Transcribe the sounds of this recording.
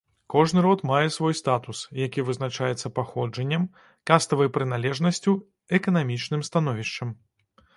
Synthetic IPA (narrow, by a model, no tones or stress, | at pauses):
kɔʐnɨɾɔt̪majɛsvɔjst̪at̪usjakʲivɨznat͡ʂajɛt̪sːɐpaxɔd͡ʐɐnʲːɛm | kast̪ɐvɐjpɾɨnalʲɛʐnɐsʲt͡sʲu | ɛkɐnamʲit͡ʂnɨmst̪anɔvʲiʂt͡ʂɐm